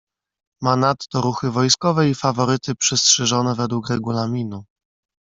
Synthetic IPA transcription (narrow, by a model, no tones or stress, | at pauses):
manat̪t̪ɔɾuxɘvɔjskɔvɛifavɔɾɘt̪ɘpʂɛstʂɛʐɔnɛvɛd̪wukɾɛɡulamʲinu